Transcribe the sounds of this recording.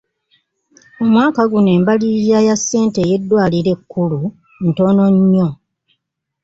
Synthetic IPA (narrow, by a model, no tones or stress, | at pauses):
omwaːkaɡune̞ːmbalizajasːe̞ːnte̞je̞dːwaːliɾe̞kːulu | n̩to̞ːno̞ɲːo